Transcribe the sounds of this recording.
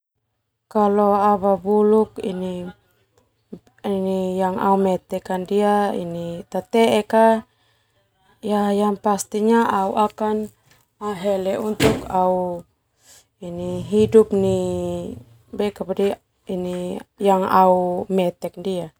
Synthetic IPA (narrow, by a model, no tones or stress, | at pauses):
kaloaβabulukḭni | inijaŋʔa̰umɛt̪ɛkandiaḭnit̪at̪ɛeka | jajanpast̪iɲaʔauʔakan | aɦɛlɛʔunt̪ukau | iniɦidup̚ni | bɛkapadi | inijaŋaumɛt̪ɛk̚dia